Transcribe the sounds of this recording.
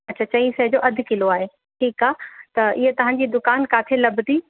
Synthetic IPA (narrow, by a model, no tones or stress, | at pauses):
ɐtːt͡ɕʰaːt͡ɕɐ̃ĩsɐɦd͡ʑoːʔɐd̪ʱɪkɪloaːɦe | ʈʰiːkaːɦt̪ɐɪɦet̪ɐʋ̤ãɲ̆d͡ʑiːd̪ʊkaːnkaːt̪ʰelɐbd̪i